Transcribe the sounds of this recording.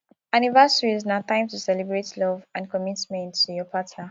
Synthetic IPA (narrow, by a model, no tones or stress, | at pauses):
anivasəɹiznat̪ãɪ̃mtusɛlibɹetlɔvãnkʰɔmitmɛ̃ntujɔpʰatna